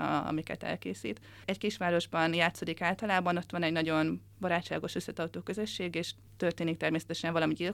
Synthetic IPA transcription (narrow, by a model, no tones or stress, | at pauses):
ɒ̰mikɛ̰t̪ɛ̰lkeːsḭːt̪ | ɛckiʃʋaːɾo̞ʒbɒnjaːt̪so̞d̪ikaːlt̪ɒlaːbɒno̞t̪ːʋɒnɛɟnɒɟo̞n | bɒɾaːt͡ʃt͡ʃːa̰ːɡo̞ʃø̞sːɛt̪ɒwt̪oːkø̞zøʃːeːɡeːʃ | t̪ørt̪eːnik̚t̪ɛrmeːsɛ̥t̪ɛʃɛɱvɒlɒmiɟil